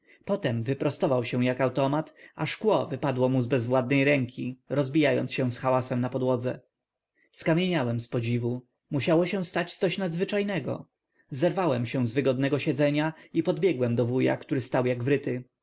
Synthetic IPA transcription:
pɔt̪ɛmvɘpɾɔst̪ɔvawɕɛ̃w̃jakawt̪ɔmat̪aʂkwɔvɘpad̪wɔmuzbɛzvwad̪̚nɛjɾɛŋkʲʰiɾɔzbʲijajɔ̰ntsɕɛ̃w̃sxawasɛmnapɔd̪wɔd̪zɛ̰ | skamʲjeɲawɛmspɔd͡ʑivu | muɕawɔɕɛ̃st̪at͡ɕt̪sɔɕnad̪zvɘt͡ʂajnɛɡɔ̰ | zɛɾvawɛmɕɛ̃w̃zvɘɡɔd̪nɛɡɔɕɛd̪zɛɲaipɔd̪bʲjɛɡwɛmd̪ɔvuja̰kt̪uɾɘst̪awjaɡvɾɘt̪ɪ

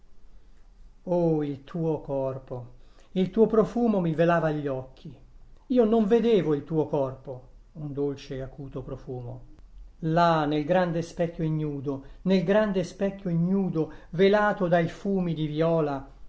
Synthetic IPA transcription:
oilt̪ʰuːokɔrpo | ilt̪uːopɾofuːmomivelaːvaʎːɔkʰːiiːonoɱved̪eːvoilt̪uːokɔrpo | und̪olt͡ʃeakuːt̪opɾofuːmo̰ | lanelɡɾand̪espɛkːjoiɲːuːd̪onelɡɾand̪espɛkːoiɲuːd̪ovelaːt̪od̪ajfuːmid̪ivjɔːla

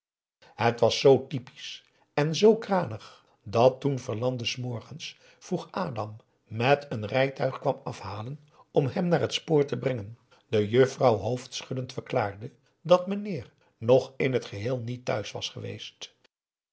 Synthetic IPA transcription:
ɦətʋɑsːowtipi̥s | ɛnzowkraːnəχ | dɑtunvəɹlɑndəsmɔɹχəns | fruχʔaːdɑmː | ɛtʰənrɛjtœɥχkʋɑmɑfɦaːlən | ɔmɦɛmnaːɹɦətspoːɹtəbrɛŋən | dəjøfrɑwɦowftsχʏdəntfəɹkla̰ːɹdə | dɑtmənɪːr | nɔχɪnɦətχəɦɪːlˠnitːœ̰ɥsʋɑsχəʋḛjst

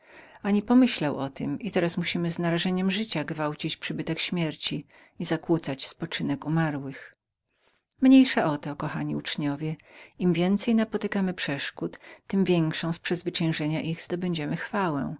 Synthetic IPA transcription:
aɲipɔmɘɕlawɔt̪ɘ̰mʔit̪ɛɾasmuɕimɘznaɾaʐɛɲɛmʐɘt͡ɕaɡvawt͡ɕit͡ɕpʂɘbɘt̪ɛkɕmʲjɛɾt͡ɕi | izakwut̪sat͡ɕspɔt͡ʂɘnɛkumaɾwɘx | mɲejʂaʔɔt̪ɔkɔxaɲiut͡ʂɲɔvʲjɛimvʲjɛnt̪sɛjnapɔt̪ɘkamɘpʂɛʂkut̪ːɘmvʲjɛŋkʂɔ̃w̃spʂɛzvɘt͡ɕɛ̃w̃ʐɛɲaʔiɣzd̪ɔbɛɲd͡ʑɛmɘxfawɛ̰̃

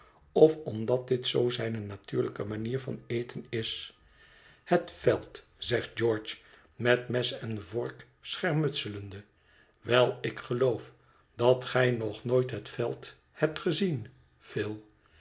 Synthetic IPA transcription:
ɔfɔmdɑt̚dɪtsowzɛjnənatyːɹləkəmaniːɹvɑ̰nejtʰənɪs | hətfɛlˠt | z̥ɛχt̚d͡ʒɔɹt͡ʃ | mɛtmɛsɛnvɔɹk | sχɛɹmɵtsələndə | ʋɛlˠɪkχəlowf | d̥ɑtχɛjnɔχnojtɦətfɛlˠt | hɛp̚tχəzin | v̥ɪːlˠ

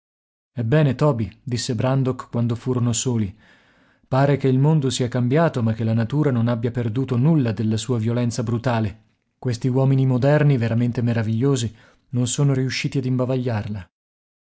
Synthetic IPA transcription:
ɛbːɛːnet̪ɔːbid̪isːebɾand̪okkːwand̪ofuːɾonosoːli | paːɾekeilmond̪osiakambjaːt̪omak̟ːelanat̪uːɾanonabjaperd̪uːt̪onulːad̪elːasuːavjolɛnt̪sabɾut̪aːle | kwest̪iwɔːminimod̪ɛrniveɾament̪emeɾaviʎːoːzi | nonsoːnoɾiuʃːiːt̪iad̪imbavaʎːarla

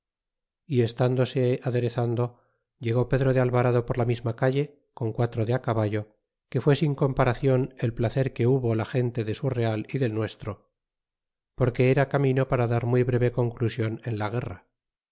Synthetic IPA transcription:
ie̞st̪and̪o̞se̞aðe̞ɾe̞θand̪o̞ | ʝe̞ɣ̞o̞pe̞ðɾo̞ðealβaɾaðo̞po̞ɾlamizmakaʎe̞ | ko̞ŋkwat̪ɾoðeakaβaʎo̞ | ke̞fwe̞siŋko̞mpaɾaθjo̞ne̞lplaθe̞ɾke̞uβo̞laxe̞nt̪e̞ðe̞sure̞aliðe̞lnwe̞st̪ɾo̞ | po̞ɾke̞eɾakamĩno̞paɾaðaɾmwiβɾe̞βe̞ko̞ŋklusjo̞ne̞nlaɣ̞e̞ra

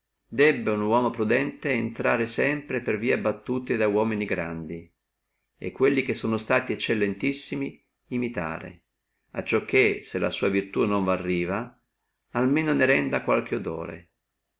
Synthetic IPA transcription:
d̪ɛbːeunwɔːmopɾud̪ɛnt̪eːnt̪ɾaːɾesɛmpɾeperviːabːat̪ːuːt̪ed̪awɔːminiɡɾa̰nd̪i | ḛkːwelːik̟esːoːnost̪aːt̪iɛt͡ʃːelːent̪isːimiː | mit̪a̰ːɾḛ | a̰t͡ʃːɔkʰːeselːa̰suːavirt̪unoɱvarːiːva | almeːnoneɾɛnd̪akwalk̟eod̪o̰ːɾḛ

